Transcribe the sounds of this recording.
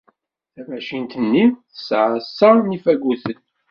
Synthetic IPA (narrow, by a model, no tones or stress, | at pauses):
θævæʃint̪ənːiθə̥sʕəsːənifæɡuθən